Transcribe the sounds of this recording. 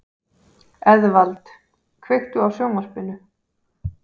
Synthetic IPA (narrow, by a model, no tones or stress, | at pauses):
ɛðvalt̪ | kʰvext̪uawsjowŋvaɾ̥pɪnʏ